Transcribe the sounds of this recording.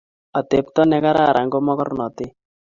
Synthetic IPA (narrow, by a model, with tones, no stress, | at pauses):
a˨t̪e˨˦p̚t̪ɔ˦nɛ˦ka˦ɾa˦˨ɾʔa˨ŋɡo˦mɔ˦kɔ˦rnɔ˨t̪ɪ˦